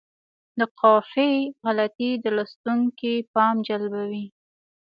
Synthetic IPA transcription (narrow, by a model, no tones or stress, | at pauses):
d̪əqɑfeɣalat̪id̪əlɑst̪uŋkipɑmd͡ʒalbawi